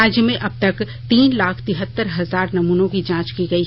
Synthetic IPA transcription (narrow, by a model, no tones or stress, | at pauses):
aːd͡ʒjəmẽʔɐb̚t̪ɐk | t̪iːnlaːkʰt̪ɪɦət̪ːəɾɦɐzaːɾnɐmuːnõkid͡ʒãːt͡ʃkiɡɐi